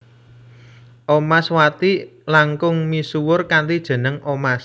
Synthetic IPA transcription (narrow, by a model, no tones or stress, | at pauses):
ʔomaswat̪ilaŋkʊŋmisuwʊrkaɳtid̥ʒ̥ə̤nəŋʔomas